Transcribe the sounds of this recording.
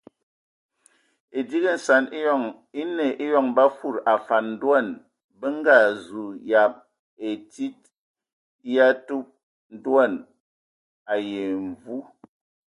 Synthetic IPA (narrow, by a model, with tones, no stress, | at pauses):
e˨di˦ɣə˦˨n̩˨sa˨ni˦˨ŋ | i˦ne˨ʔe˦jɔ˨ŋba˦fu˦˨ɾa˨fa˨nn̩˦dwa˦˨n | bə˦ŋ˦ɡa˦˨zu˨ja˨p̚ | e˨ti˦t̚ | ja˦tu˦p̚ | n̩˦dwa˦˨n | a˨je˨ɱ˨vu˦